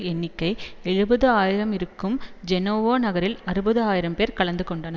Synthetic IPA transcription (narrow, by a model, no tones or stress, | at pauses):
ɛnːɪkːɐɪɛɻɯbɐðɯaːjɪɾɐmɪɾɯkːɯmd͡ʒɛnoːʋoːnɐɣɐɾɪlɐɾɯbɐðɯaːjɪɾɐmpeːɾkɐɭɐnd̪ɯkɔɳɖɐnɐ